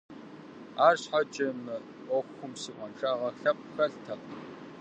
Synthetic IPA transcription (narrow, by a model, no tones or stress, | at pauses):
aːrɕħat͡ʃʼɐm | oːxʷʊmsiːʔʷɔnʂʼaːʁɐɬɐp̚xɐɬtʰɐq